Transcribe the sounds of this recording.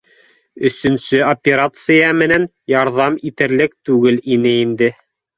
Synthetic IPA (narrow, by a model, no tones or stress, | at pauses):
ɵ̆sɵ̆nsɵopʲeɾat̪sɨjɑmɘ̆næn | jɑɾðɑmit̪ɘ̆ɾlɘk̚t̪ʉɡɘlinɘind̪ɘ